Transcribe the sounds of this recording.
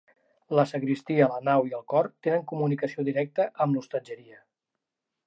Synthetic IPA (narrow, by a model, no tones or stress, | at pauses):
ləsəkɾist̪iələnawiəlˠkɔrt̪enəŋkumunikəsioðiɾɛk̚t̪əʔəmlust̪əd͡ʒəɾiə